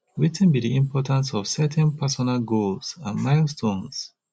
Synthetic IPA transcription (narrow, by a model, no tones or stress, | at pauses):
witɛ̃nbidiĩmpʰɔtãnsɔv̥sɛtʰɛ̃npʰɛsɔnalɡolsãnmaɪlstʰõns